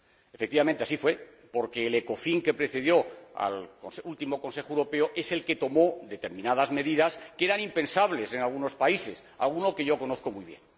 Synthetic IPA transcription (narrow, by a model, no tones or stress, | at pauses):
efekt̪iβamẽnt̪e̞asifwe̞ | po̞ɾke̞ːleko̞fiŋke̞pɾe̞θe̞ð̞jo̞a̰lkonsult̪imo̞ko̞nse̞xoewɾope̞oʔe̞se̞lke̞t̪o̞mo̞ðe̞t̪e̞ɾmĩnaðazme̞ðiðaske̞ɾanimpẽ̞nsaβle̞se̞nalɣ̞uno̞spaise̞s | a̰lɣ̞uno̞ke̞ʝo̞ko̞noθko̞mujβje̞̰n